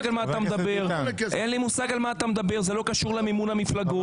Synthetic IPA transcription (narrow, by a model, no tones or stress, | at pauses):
ɡalmaːt̪amed̪abeʁʔenlimusaɡalmaːt̪amed̪abe̞ʁzelo̞kaʃuʁlememunhamiflaɡo